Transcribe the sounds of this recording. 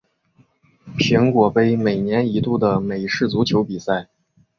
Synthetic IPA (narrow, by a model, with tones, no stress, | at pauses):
pʰi˧˥ŋkwɔ˨˩pe˥ɪme˨˩ɪnjɛ˧˥ni˧˥t̪u˥˩d̪ə˩me˨˩ɪʂɻ̩˥˩t͡su˧˥t͡ɕʰjo˧˥ʊpi˨˩sa˥˩ɪ